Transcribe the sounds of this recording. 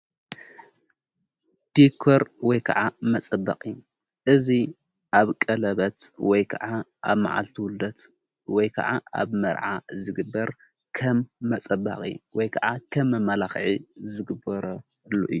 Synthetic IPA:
d̪̥ikʰoɾwɔjkʰɐ̰ʕamɐt͡sʼɐbːɐ̰qʼijːu | ʔɨzi | ʔaβkʼɐlɐβɐt̪wɔjkʰɐʕaʔa̰βma̰ʕa̰lt̪ʰiwʊld̪ɐt̪ | wɔjkʰɐ̰ʕaa̰βmɐ̰ɾʕazɨɡɨbːɐɾ | kʰɐmːɐt͡sʼɐba̰qʼḭwɔjkʰɐʕakʰɐmːɐmɐlaxʕizɨɡɨbɐɾɐ | lːoʔɨjːu

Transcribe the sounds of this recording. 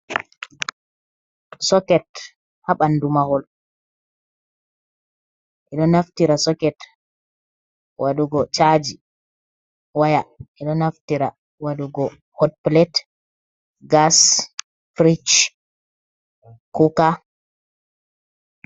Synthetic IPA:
sɔkɛt | haɓandumahɔl | ʔɛɗɔnaftiɾasɔkɛt | wʔaɗuɡɔt͡ʃad͡ʒi | wajaʔɛɗɔnaftiɾa | waɗuɡɔ | hɔd̚plɛt | ɡas | fɾit͡ʃ | kuka

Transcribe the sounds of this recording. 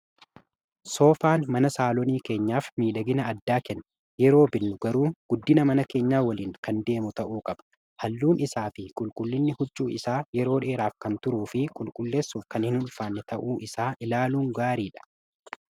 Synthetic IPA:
so̞ːfaːnmɐnɐsaːlɔniːke̞ːɲːaːfmiːlɐɡɪnɐːd̪ːaːkɛnːɐ | jɛɾo̞ːbɪnːʊɡɐɾuːɡ̥ʊd̪ːɪnɐmɐnɐke̞ːɲːaːwɐliːŋkɐnd̪e̞ːmʊt̪ɐʔuːkʼɐb̥ɐ̥ | hɐlːuːnʔɪsaːfɪkʼʊlkʼʊlːɪnːɪhʊd͡ʒːuːɪsaːjɛɾo̞ːᶑe̞ːɾaːfkɐnt̪ʊɾuːfɪkʼʊlkʼʊlːe̞ːsːʊfkɐnhɪnʊnfaːnːɛt̪ɐʔuːʔɪsaːʔɪlaːluːŋɡaːɾiːᶑɐ̥

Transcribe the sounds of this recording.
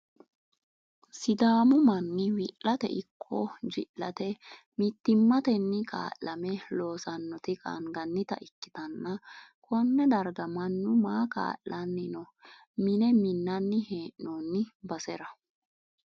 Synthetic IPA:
sɪd̪aːmʊmɐnːɪwɪʔɐt̪ɛ̰ʔɪkʰːɔd͡ʒɪʔlɐt̪ɛ | mɪt̪ːɪmːɐt̪ɛnːɪkʼa̰ːʔɐmɛlo̞ːsɐnːɔt̪ɪkʼa̰ŋɡɐnːɪt̪ɐ̰ʔɪkːɪ̥t̪ɐnːɐkʰɔnːɛd̪ɐɾɡɐmɐnːʊmaːka̰ːʔːɐnːɪnɔ | mɪnɛmɪnːɐnːɪheːʔnonːɪbɐsɛɾɐ

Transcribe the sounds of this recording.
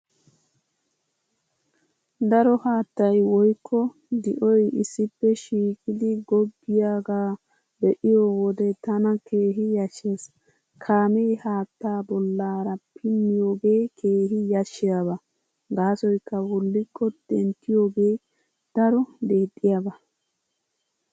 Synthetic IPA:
d̪ɐɾɔhaːt̪ːɐjwɔjkʰːɔ | d̪ɪʔɔjɪsːɪpːɛʃiːkʼɪd̪ɪɡɔbːɪjaːɡaː | bɛʔɪjoːwɔd̪ɛt̪ɐnɐkʰe̞ːɦɪjɐʃːeːs | kʰaːmejhaːt̪ːaːbɔlːaːɾɐpʰɪmːɪjo̞ːɡe̞ːkʰe̞ːɦɪjɐʃːɪjabɐ | ɡaːsɔjkːɐwɔlːɪkʰːɔd̪ɛnt̪ːɪjoːɡeː | d̪̥ɐɾɔd̪e̞ːt̪ʼːɪjabɐ

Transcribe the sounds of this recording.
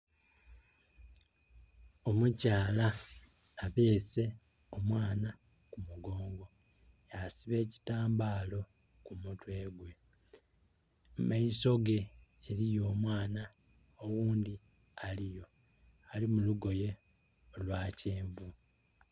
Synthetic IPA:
o̞mucaːlaː | βe̞ːse̞ | omwaːna | kumuɡo̞ːŋɡo̞ | jasiβe̞ːci̥taːmbaːlo̞ | kumutwe̞ːɡwe̞ | maiso̞ɡe̞ːɾijo̞ːmwaːna | oɣuːndi | alijo̞ | alimuluɡo̞je̞ | olwaːceːɱvu

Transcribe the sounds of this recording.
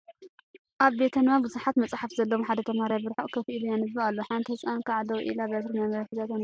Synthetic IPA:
ʔaβbet̪ʰɐnmabɨzuħat̪mɐt͡sʼħafzɐlːɐwħad̪ɐt̪ʰɐmhaɾajbɨɾħoʔʼkʰɐfʔilujanɨbːɨalːoħant̪ɨhɨsʼankʰaʕd̪ɐwʔḭlabet̪ɾɨnamɐβħit̪at̪an

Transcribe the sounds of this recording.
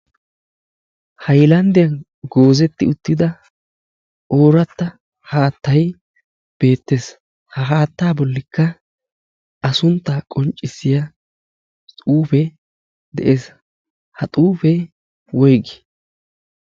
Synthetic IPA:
hɐjlɐnd̪ɪjɐn | ɡoːzɛt̪ːɪʊt̪ːɪd̪ɐ | o̞ːɾɐt̪ːɐ | haːt̪ːɐj | b̥e̞ːt̪ːes | hɐɦaːt̪ːaːbɔlːɪkːɐ | ɐsʊnt̪ːaːkʼɔnt͡ʃʼːɪsːɪja | t̪ʼuːfɛ | d̪ɛ̰ʔeːs | hɐt̪ʼuːfɛ | wɔjɡɪ̥

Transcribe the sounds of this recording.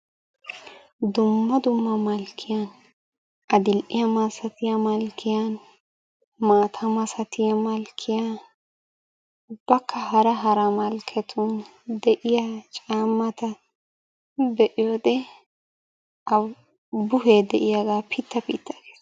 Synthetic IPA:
d̪ʊmːɐd̪ʊmːɐmɐlkʰːɪjan | ɐd̪ɪlʔɪjɐmɐsɐt̪ɪjɐmɐlkʰːɪjan | maːt̪ʰɐmɐsɐt̪ʰɪjɐmɐlkʰːɪja | b̥ɐkːɐhɐɾɐɦɐɾɐmɐlkʰɛt̪ʰʊn | d̪ɛʔɪjat͡ʃʼaːmːɐt̪ɐ | bɛʔɪjod̪ɛ | ɐ | bʊɦeːd̪ɛʔɪjaɡaːpʰit̪ːɐpiːt̪ːɐɡeːs

